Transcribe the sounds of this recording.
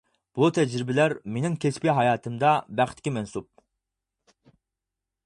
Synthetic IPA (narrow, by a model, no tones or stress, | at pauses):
b̥ut̪ʰɛd͡ʒɾɪbɪlæɾmenɪŋkʲʰespʲiɦɑjɑːt̪ʰɨmd̪ɑbæχt̪ʰːkʲimɛnsup̚